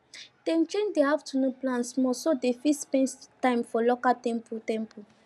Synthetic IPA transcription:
d̥ɛ̃nt͡ʃẽndeaftʰunoplãntsmɔsodefispɛ̃ntãɪ̃mfɔlokatɛ̃mpʰutɛ̃mpu

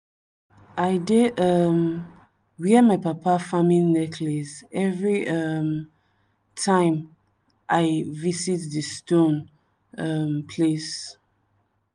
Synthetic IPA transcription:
aɪdeʌm | wiəmaɪpapafamĩnɛkʰlisɛvɹiʌm | tʰãɪ̃m | ʔaɪvisitðəstõn | ʌmpʰles

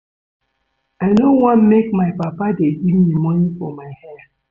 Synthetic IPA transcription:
aɪnowãnmek̚maɪpapadeɡivmimɔnifɔ̰maɪhɛ

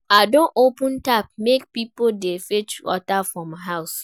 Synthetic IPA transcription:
adõnʔopə̃ntap̚mek̚pipodefet͡ʃwɔ̰tafɹɔ̃mɦaʊs

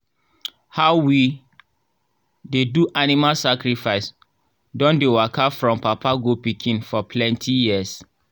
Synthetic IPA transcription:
haʊwi | deduʔanimalsakɾifaɪs | dɔ̃ndewakʰafɹɔ̃mpapʰaɡopikʰĩnfɔpʰlɛ̃ntʰijiəs

